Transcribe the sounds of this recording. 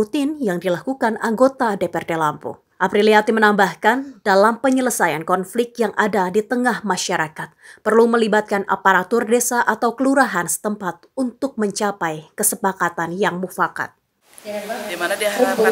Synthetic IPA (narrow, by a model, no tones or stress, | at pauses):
ut̪ɪnjaŋdilakukanaŋɡot̪adepɛrdelampo̰ | ʔapɾiliat̪imənambahkandalampəɲələsajankɔnflɪk̚t̪̚jaŋʔadadit̪əŋahmaʃaɾakat̪̚pərluməlibat̪̚kanʔa̰paɾat̪ʊrdesaʔat̪awkəluɾaɦansə̥t̪əmpat̪̚unt̪ʊk̚məɲt͡ʃapajkəsəpakat̪anjaŋmufaka̰t̪̚ | dmandi